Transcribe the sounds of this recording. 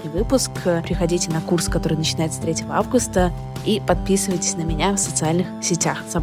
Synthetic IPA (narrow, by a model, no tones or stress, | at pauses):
ijvɨpʊskpʲɾʲɪxɐdʲitʲɪnɐkurskɐt̪o̞ɾɨjnət͡ɕɪnajɪt̪sət̪ɾʲetʲɪvəavɡʊst̪ə | ipɐt̪̚pʲisɨvəjtʲɪ̥sʲnəmʲɪnʲafsət̪sɨalʲnɨxsʲɪtʲaxzɐ